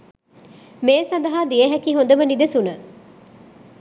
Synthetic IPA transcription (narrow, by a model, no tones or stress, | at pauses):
meːsɐnd̪ɐɦaːd̪ieɦɐkiːɦond̪ɐmɐnid̪esunə